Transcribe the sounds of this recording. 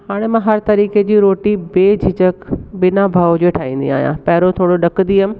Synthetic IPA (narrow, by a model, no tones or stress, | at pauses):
ɦaːɽ̃emãɦɐɾt̪ɐɾiːked͡ʑiːɾoːʈibeːd͡ʑʱɪd͡ʑəkbɪnabʱaːʋod͡ʑoːʈʰaːĩːnd̪ḭa̰ːɦijã̰pɐɦɪɾot̪ʰoːɽoɗɐkd̪iːɦəmɪ̃